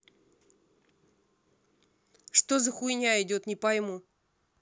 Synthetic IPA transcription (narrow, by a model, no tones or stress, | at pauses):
ʂt̪ozəxʊɪnʲaɪdʲo̞t̪nʲɪpɐjmu